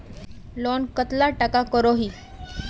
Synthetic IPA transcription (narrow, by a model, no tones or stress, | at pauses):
lɔnkət̪laʈakakəɾɔɦiː